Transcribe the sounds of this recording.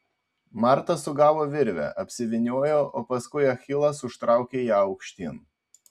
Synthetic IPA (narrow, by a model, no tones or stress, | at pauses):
mɑˑɾt̪ɐsʊɡɑːʋoːʋʲɪɾʲʋʲɛ̰ʔɐpʲsʲɪʋʲɪnʲuɔjoːʔoːpɐskʊɪɐxʲɪlˠɐsʊʃt̪ɾɑˑʊkʲeːjæːɒʊkʃʲt̪ʲin